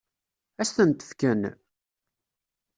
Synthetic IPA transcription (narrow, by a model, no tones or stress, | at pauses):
æsθənt̪ə̥fkæn